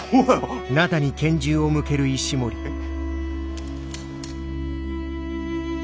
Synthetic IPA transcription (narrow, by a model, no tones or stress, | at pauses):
nat̪aɲ̟ikẽ̞ɲ̟d͡ʑɨːo̞mɯ̟ke̞ɾɯ̟iɕimo̞ɾʲi